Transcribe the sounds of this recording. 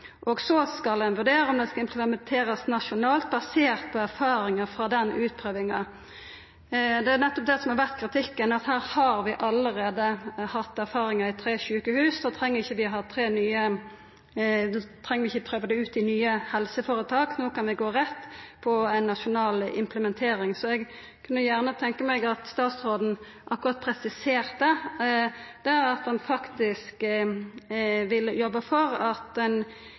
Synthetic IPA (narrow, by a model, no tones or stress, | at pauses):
ʔɔɡsɔskɑlɛnʋʉɾd̪eːɾɔmd̪ɛskɑɪmpʰləmɛnt̪ʰeːɾɑsnɑʃʊnɑːlt̪̚bɑseːʁt̪̚pʰɔæɾfɑːɾɪŋəfɾɑd̪ɛnʉːt̪̚pʰɾøːʋɪŋɑ | d̪ɛænɛt̪ːɔp̚d̪ɛsɔmhɑɾʋæʁt̪kʰɾɪt̪ʰɪkːənɑt̪hæːɾhɑɾʋɪʔɑləɾeːd̪əhɑt̪ːæɾfɑːɾɪŋɑɪt̪ʰɾeːɕʉːkəhʉːsd̪oːt̪ʰɾɛŋːəɾɪçːəʋɪɦɑːt̪ʰɾeːnyːə | t̪ʰɾɛŋːʁʋɪɪçːəpʰɾøːʋəd̪ɛʉːt̪ɪnyːəhɛlsəfoːɾət̪ʰɑːknoːkɑnʋɪɡoːʁɛt̪ːpʰɔæɪnːɑʃʊnɑːlɪ̰mpʰləmɛnt̪ʰeːɾɪŋsɔɛɡ | kʰʉnːəjæʁnət̪ʰɛŋkəmɛɡɑt̪st̪ɑːt̪sʁoːd̪n̩ | ʔɑkːʊɾɑːt̪̚pʰɾɛsɪseːʁt̪̚d̪ə | d̪̥ɛɑt̪̚d̪ɛnfɑkt̪ɪsk | ʋɪljɔbːəfɔɾɑt̪ɛn